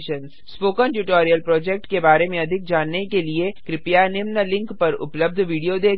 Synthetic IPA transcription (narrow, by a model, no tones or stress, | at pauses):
ʃən | spoːkə̃nʈjuːʈɔːɾijəlpɾɔːd͡ʒek̚ʈkebaːɾemẽɐd̪ʱɪk̚d͡ʒaːnːekeliekɾɪpijanɪmnlɪ̃ŋkpɐɾʊ̰pləb̚d̪ʱʋiːɖijod̪eː